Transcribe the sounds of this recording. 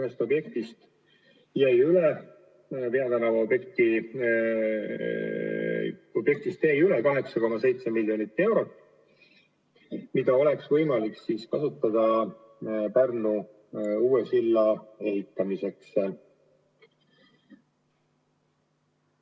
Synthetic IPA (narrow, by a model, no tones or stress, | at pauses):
est̪o̞bje̞k̚t̪ist̪ | jæjyle | peɑt̪ænɑvɑobekt̪i | o̞b̥je̞k̚t̪ist̪jæjylekɑɦe̞ksɑko̞mɑse̞jt̪se̞milʲːjo̞nit̪ːe̞wɾo̞t̪ːˑ | mid̪̥ɑo̞le̞ksvɤjmɑliksiskɑsut̪ːˑɑd̪̥ɑ | pærnu | uːesilːɑe̞ɦit̪ːˑɑmise̞ks